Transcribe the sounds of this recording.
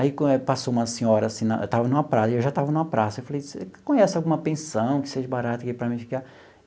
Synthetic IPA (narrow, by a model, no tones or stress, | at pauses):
aikõɛpasoũmɐsẽɲɔɾɐasĩnɐ̰ḛt̪avɐnũmɐpɾasɐiewʒat̪avɐnũmɐpɾasɐewfalejskõɲesʊawɡũmɐpẽsɐ̃w̃kɪ̥seʒɐbaɾat̪ɐkipɾɐmĩfi̥ka